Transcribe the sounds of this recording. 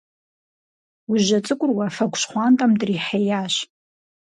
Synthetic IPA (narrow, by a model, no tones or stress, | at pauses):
uʒat͡sʼɨkʷʼʊrwafakʷʰʼʃχʷantʼamdriħajaʃ